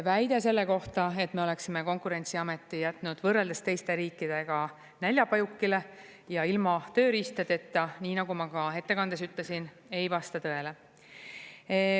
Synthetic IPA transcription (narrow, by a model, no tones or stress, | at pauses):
væjd̪̥ese̞lːe̞ko̞ht̪ɑe̞t̪me̞o̞le̞ksimeko̞ŋkuɾe̞nʲsiɑme̞t̪ːˑijæt̪ˑnud̪̥vɤrːeld̪est̪e̞jst̪e̞ɾiːkːˑid̪̥e̞ɡ̥ɑ | nælʲjɑpɑjukːile̞ | jɑilmɑt̪ø̞ːɾist̪ɑd̪e̞t̪ːˑɑniːnɑɡumɑɡ̥ɑɦe̞t̪ːe̞kɑnd̪̥esyt̪lesin | e̞jvɑst̪ɑt̪ɤe̞le